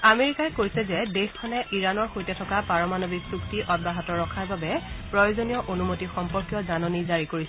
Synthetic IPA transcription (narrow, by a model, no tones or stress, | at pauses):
ameɹikajkojsɛzɛdexkʰɔnɛʔiɹanɔɹxojtɛtʰɔkapaɹɔmanobiksuktiʔɔd̚baɦɔtɔɹːɔkʰaɹbabɛpɹɔjozonijɔʔonumotixɔmpɔɹkjɔzanɔnizaɹikoɹis